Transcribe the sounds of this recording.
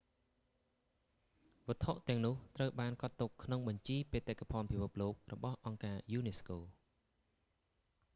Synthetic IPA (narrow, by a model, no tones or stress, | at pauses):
ʋə̆ət̪ʰoʔt̪ɛ̆əŋnʊ̆əht̪rəwɓaːnkɑt̪ːukʰːnoŋɓɑɲt͡ɕiːpeːt̪akapʰɔnpʰipʰɨp̚loːk̚rɔɓɑhʔɑŋkaːjuːneskoː